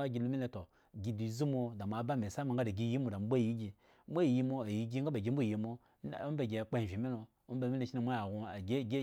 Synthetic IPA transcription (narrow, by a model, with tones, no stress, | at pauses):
a˦ɡʲi˨lo˦me˦le˨to˨ | ɡi˨di˨˦zu˦mo˦da˨m˨a˨˦ba˦˨me˨sa˦ma˨ŋ˦ɡa˦da˨ɡi˨ji˦mo˨da˨m˦bʷa˦˨ji˦ɡʲi˨ | mʷ˦a˦˨ji˦mo˦a˨ji˦ɡʲi˦ŋ˦ɡa˦ba˨ɡʲi˦m̩˦u˦˨ji˨mo˦˨ | o˦be˨ɡʲe˨k͡pe˦˨vi˨me˦lo˨ | o˦m˦bme˦ne˨ʃi˦ni˨m˦a˦a˨ɡu˨a˨˦ɡ